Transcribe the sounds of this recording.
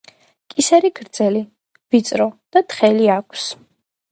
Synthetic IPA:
kʼisɛɾiɡʰɾd̪zɛli | vit̪sʼɾɔd̪̥at̪χɛliakʷʰs

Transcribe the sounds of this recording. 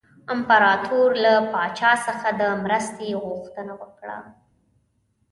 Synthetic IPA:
ɪmpaɾɑt̪ʰuɾlapɑt͡ʃɑsəxad̪əmɾəst̪eɣʊxt̪ənawəkɽa̰

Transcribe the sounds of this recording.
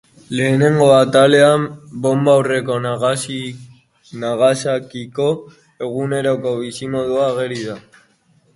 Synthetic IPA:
le̞ːne̞ŋɡo̞at̪ale̞ambo̞mbawre̞ko̞nɣsi | naɣasakiko̞ | e̞ɣ̞une̞ɾoko̞βisimo̞ðuaɣ̞eɾiða

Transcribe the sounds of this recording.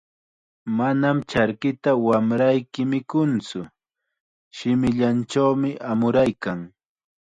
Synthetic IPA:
manamt͡ʃaɾkɪt̪awamɾajkɪmɪkʊnt͡sʊ | ʃɪmɪʎant͡ʃawmɪʔamʊɾajkaŋ

